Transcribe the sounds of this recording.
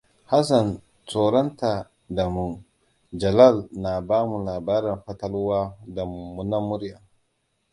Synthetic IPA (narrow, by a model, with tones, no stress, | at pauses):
ha˦s̬a˨n | t͡soː˨ɾɔ˦nta˨ | da˨mu˨ | d͡ʒɐ˨la˦˨lna˨baː˦mu˨laː˨baː˦ɾɛ˨nɸɐ˦tɐ˦lwaː˦da˨mu˨mːu˨na˦mʊ˦ɾja˨